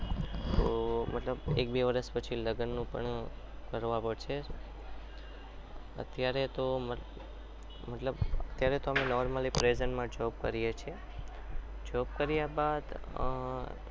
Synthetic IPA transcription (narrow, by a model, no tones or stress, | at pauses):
t̪omət̪ləbḛk̚beʋəɾəspət͡ʃʰiləɡənːũpə̰ɳ | kəɾʋãpəɽʃʰe | ə̰t̪jaɾet̪omə | mət̪ləbə̰t̪jaɾet̪oəmenɔɾməlipɾezənmãd͡ʒɔbkəɾijet͡ʃʰie | d͡ʒɔbkəɾijabad̪